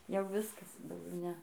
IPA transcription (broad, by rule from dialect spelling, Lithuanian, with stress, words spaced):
jɛʊ ˈʋʲɪskɐs dɐʊˈɡʲɛʊ ˈnʲɛ